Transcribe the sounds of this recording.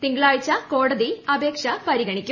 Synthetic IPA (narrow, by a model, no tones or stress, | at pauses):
t̪iŋɡɐɭaːɻit͡ɕːɐko̞ːɽɐðiɐbeːkʂɐpɐɾiɡɐɳikʲːu